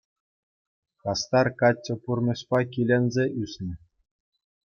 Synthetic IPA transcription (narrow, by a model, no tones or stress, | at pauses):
kɑst̪ɑrkɑt͡ɕʲːɤ̆purmʲɘ̆ɕpɑkʲilʲenʲzʲeʔysʲnʲɘ̆